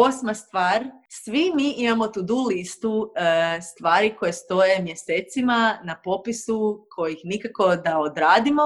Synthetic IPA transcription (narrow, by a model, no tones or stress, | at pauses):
o̞smast̪ʋaːɾsʋimiʔimamo̞t̪ud̪ulist̪ust̪ʋaːɾiko̞jest̪o̞je̞mje̞seːt̪simanapo̞pisukʰo̞jixnikako̞d̪aod̪ɾaːd̪imo